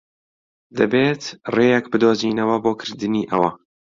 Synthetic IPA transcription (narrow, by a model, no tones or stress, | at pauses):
d̪ɨbeːt̪reːjɛkbɨd̪oːziːnɐwɐboːkʰɨɾd̪ɨniːʔɐwɐ